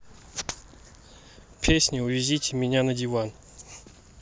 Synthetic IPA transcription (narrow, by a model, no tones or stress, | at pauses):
pʲʰesʲnʲɪʊvʲɪzʲitʲɪmʲɪnʲanədʲɪvan